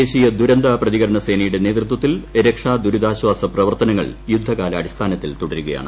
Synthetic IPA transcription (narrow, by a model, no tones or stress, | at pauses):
eːɕijɐd̪uɾɐnd̪aprɐðiɣɐɾɐɳɐseːnɐjuɽe̞ne̞ːd̪rɨt̪wɐt̪ːileɾɐkʂaːd̪uɾud̪aːɕwaːsɐprɐʋɐrt̪ɐnɐŋːɐ̰ɭjud̪ʱːɐkaːlɐːɽist̪ʰaːnɐt̪ːilt̪uɽɐɾuɣɐja̰ːɳɨ